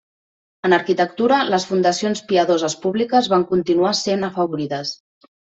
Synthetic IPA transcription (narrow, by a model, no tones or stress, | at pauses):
ənəɾkit̪ək̚t̪uɾələsfund̪əsionspiəðozəspuβlikəzβaŋkunt̪inuasenəfəβuɾiðəs